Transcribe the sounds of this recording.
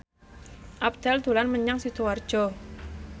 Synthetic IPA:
ʔap̚d̪̥ɛld̪̥ṳlanməɲaŋsit̪oward̥ʒ̥ɔ

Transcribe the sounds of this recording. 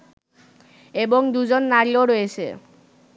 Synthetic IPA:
eboŋd̪ud͡ʑonːaɾioɾoet͡ɕʰḛ

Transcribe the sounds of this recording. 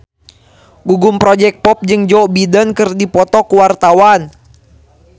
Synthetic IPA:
ɡuɡumpɾɔd͡ʒɛk̚pɔp̚d͡ʒɨŋd͡ʒɔbidənkɨrdipɔt̪ɔkuwart̪awan

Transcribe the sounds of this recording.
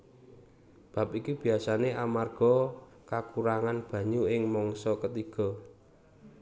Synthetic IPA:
b̥a̤pikub̥i̤asaneʔamarɡ̥ɔ̤ | kakuɾaŋanb̥ä̤ɲuɪŋmɔŋsɔkət̪iɡ̥ɔ̤

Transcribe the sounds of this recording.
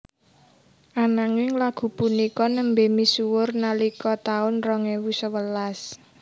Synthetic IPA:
ʔanaŋɪŋlaɡ̥ṳpunikɔnəmbemisuwʊrnalikɔt̪aʊnrɔŋewusəwəlas

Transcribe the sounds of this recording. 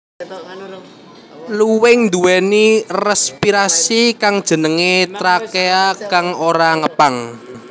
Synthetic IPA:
luwɪŋnd̪uwɛnirɛspiɾasikaŋd̥ʒ̥ə̤nəŋet̪ɾakeakaŋoɾaŋəpaŋ

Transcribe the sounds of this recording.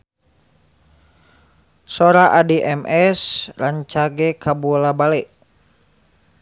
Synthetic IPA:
sɔɾaʔadiʔɛmɛsraɲt͡ʃaɡɛkabuɔlabalɛʔ

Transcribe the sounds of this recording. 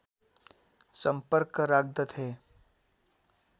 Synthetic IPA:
sə̃mpəɾkɾaːɡ̚d̪ət̪ɦeː

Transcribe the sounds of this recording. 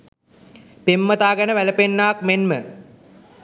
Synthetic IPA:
pemːət̪aːɡænəʋæləpenːaːkmenmə

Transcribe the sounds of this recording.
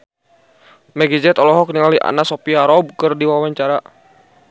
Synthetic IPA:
mɛɡid͡ʒɛt̪ɔlɔɦɔk̚niŋaliʔa̰nasopiaɾɔb̚kɨrdiwawaɲt͡ʃaɾa

